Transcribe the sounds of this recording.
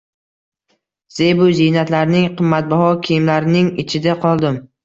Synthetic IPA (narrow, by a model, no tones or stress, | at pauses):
z̥ejbʊzijnat̪laɾnɪŋqʰɨmːat̪̚bɒhɒkʲʰijɪmlaɾɪnɪŋɪt͡ʃʰɪd̪aqʰɒlˠd̪ɪm